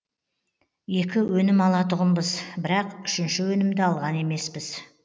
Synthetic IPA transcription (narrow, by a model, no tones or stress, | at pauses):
je̞kʲɪwɵnɪmɑlˠɑt̪ʊʁənbəzbɪɾɑqʏʃɪnʃɪwɵnɪmd̪ɪɑlˠʁɑne̞me̞spɪz̥